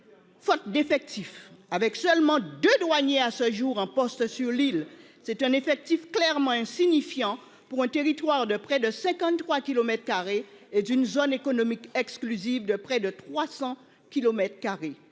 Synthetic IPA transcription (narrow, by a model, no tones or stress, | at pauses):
fɔt̪̚d̪efɛk̚t̪ifavɛksœlmɑ̃d̪ød̪waɲeasəʒuʁɑ̃pɔst̪syʁlil | sɛt̪ɛ̃nefɛk̚t̪ifklɛʁmɑ̃ɛ̃siɲifjɑ̃ | puʁɛ̃t̪eʁit̪waʁd̪əpχɛd̪əsɛ̃kɑ̃t̪t̪χwakilomɛt̪χkaʁeed̪ynzonekonomikɛksklyzivd̪əpχɛd̪ət̪χwasɑ̃ | kʲilomɛt̪χkaʁe